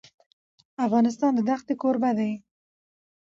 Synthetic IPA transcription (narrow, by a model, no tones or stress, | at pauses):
afɣɑnɪs̬t̪ɑnd̪əd̪axt̪ekoɾbad̪aj